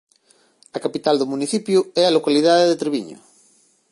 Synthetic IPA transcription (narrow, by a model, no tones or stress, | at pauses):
ɐkapit̪ald̪omuniθipjuɛalokaliðaðeðet̪ɾeβiɲo̰